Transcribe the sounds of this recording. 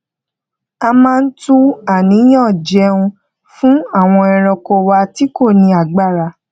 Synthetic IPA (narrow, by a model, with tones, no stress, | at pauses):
a˧mãː˦˧n̩˦tu˦a˦˨nĩ˨˦j̃ã˦˨d͡ʒɛ˨˧ũ˧ | fũ˦a˦˨w̃ɔ̃˧ɛ˧ɾ̃ɔ̃˧ko˧˨wa˧ti˦ko˦˨nĩ˧a˨ɡ͡ba˦˨ɾa˧